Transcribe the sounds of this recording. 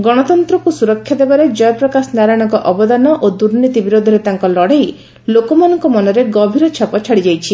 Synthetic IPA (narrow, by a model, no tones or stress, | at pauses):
ɡɔɽ̃ɔt̪ɔnt̪ɾɔkusuɾɔkʰːjad̪ebaɾed͡ʒɔjɔpɾɔkasɔnaɾajɽ̃ɔŋkɔʔɔbɔd̪anɔʔod̪uɾnit̪ibiɾod̪ʱɔɾet̪aŋkɔlɔɽej | lokɔmanɔŋkɔmɔnɔɾeɡɔbʱiɾɔt͡ʃʰɔpɔt͡ʃʰaɽid͡ʒajt͡ʃʰi